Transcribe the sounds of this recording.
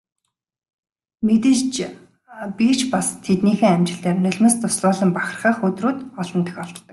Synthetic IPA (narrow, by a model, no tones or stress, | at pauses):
met̪ɘ̆ɮt͡ɕ | pit͡ɕpast̪ʰet̪niːxeːamt͡ɕɪ̆ɬt̪eːrnɵɮʲmɘ̆st̪ʊsɮʊːɮə̆mpaχʲə̆rχaːχɵt̪ruːt̪ɔɮɞ̆nt̪ə̆xɔɮt̪̆ɮt̪ə̆k